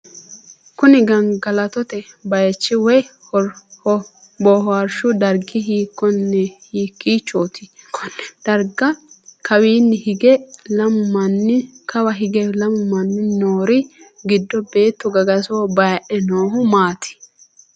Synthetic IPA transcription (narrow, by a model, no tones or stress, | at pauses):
kʊnɪɡɐŋɡɐlɐt̪ɔt̪ɛbɐjɐt͡ʃːɪwɔj | ɔɾhɔ | bɔːɦɔɐɾʃʊd̪ɐɾɡɪɦiːkːɔnːɛhiːkːiːt͡ʃoːt̪ʰikʰɔnd̪̥ɐɾɡɐkɐwiːnːɪhɪɡɛlɐmʊmɐnːɪkʰɐwɐɦɪɡɛlɐmʊmɐnːɪnoːɾɪ | ɡɪd̪ːɔbe̞ːt̪ːʊɡɐɡɐsoːbɐjɐʔɛnoːɦʊmaːt̪ʰɪ̥